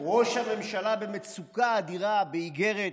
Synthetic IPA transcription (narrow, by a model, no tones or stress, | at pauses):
ʁo̞ʃhame̞mʃalabe̞met͡sukaːd̪iʁabeiɡe̞ʁet